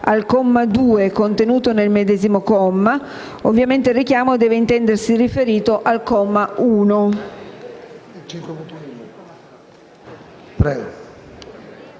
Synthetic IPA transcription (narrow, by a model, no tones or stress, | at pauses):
alkɔmːad̪uːekont̪enuːt̪onelmed̪ɛːzimokɔmːa | ovːjament̪eirːikjaːmod̪ɛːveint̪ɛnd̪ersirifeɾiːt̪oʔalkɔmːauːno | pɾɛɡ